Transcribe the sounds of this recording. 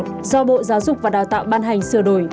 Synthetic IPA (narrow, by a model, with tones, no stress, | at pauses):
zɔ˧ɓo̰˧˨zaː˨˦wzʊ˨˩k͡p̚vaː˨˩ɗaː˨˩wt̪a̰ː˧˨wɓaː˧nɦa˨˩jŋ̟sɨ˨˩əɗo˧˩j